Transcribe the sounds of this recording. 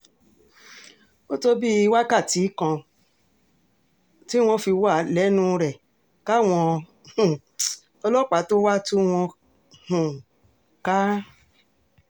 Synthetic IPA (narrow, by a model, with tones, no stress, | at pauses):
bo˦to˦bi˦i˧wa˦ka˦˨ti˨˦kã˧ | ti˦w̃ɔ̃˧˦fi˧wa˦˨lɛ˨˦nũ˦ɾɛ˦˨ | ka˦w̃ɔ̃˧ | hũ˨ | ɔ˧lɔ˦˨k͡pa˨˦to˦wa˦tu˦w̃ɔ̃˧ | hũ˨ | ka˦